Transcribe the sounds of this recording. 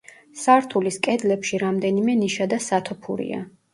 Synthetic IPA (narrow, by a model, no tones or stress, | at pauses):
saɾt̪ʰuliskʼɛd̪lɛpʃiɾamd̪ɛnimɛniʃad̪asat̪ʰɔpʰṵɾḭa̰